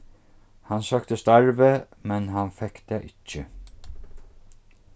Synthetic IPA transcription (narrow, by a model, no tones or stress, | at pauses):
hɑnsœːkt̪əst̪æɹʋə | mɛnhɑnfɛkd̪̥eːʔɪt͡ʃːə